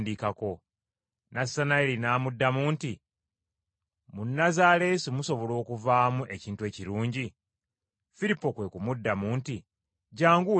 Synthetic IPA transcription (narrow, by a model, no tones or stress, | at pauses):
ndikako̞ | nasanaelinaːmudːamuːnti | munːazale̞simuso̞βo̞lo̞ːkuvaːmuʔe̞ciːntueːciɾuːɲɟi | fiɾipːo̞kwe̞kumudːamuːnti | ɟaːŋɡu